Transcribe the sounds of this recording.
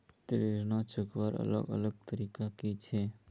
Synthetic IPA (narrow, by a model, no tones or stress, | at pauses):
t̪ɾiɾnat͡ʃʊkʋaɾə̰lə̰ɡə̰ləɡ̚t̪əɾiːkakit͡ʃʰe